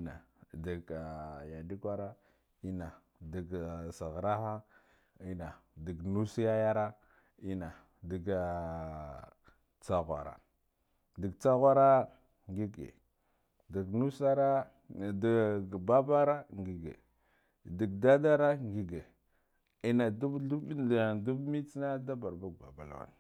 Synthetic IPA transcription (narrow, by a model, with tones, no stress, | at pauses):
na̰˨di˨ɡa˨ja˨di˦kʷa˦ɾa˦ | i˦na˨ | di˨ɡsa˨ɣɾa˦ha˦ | i˦na˨di˨ɡnu˦si˦ja˦ja˦ɾa˦ | i˦na˨ | di˨ɡ | t͡sa˦ɣʷa̰˨ɾa̰˨ | di˨ɡt͡sa˦ɣʷa˦ɾa˦ | ŋɡi˦ɡḛ˨ | di˨ɡnu˦sa˦ɾa˦˨ | ba˦ba˦ɾa˦ŋɡi˨ɡḛ˨ | di˨ɡda˦da˦ɾa˦ŋɡi˨ɡe˨ | i˦na˨du˦u˦˨du˦bmi˦t͡sna˦da˦ba˨ɾba˦ɡ̚ba̰˨ba̰˨l̰wa̰˨n˨